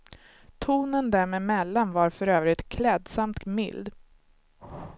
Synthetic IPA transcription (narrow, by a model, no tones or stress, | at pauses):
t̪ʰuːnənd̪æɾmeːmɛlːanvaɾfœɾøːvɾɪt̪kʰlɛːd̪samt̪mɪ̰ld̪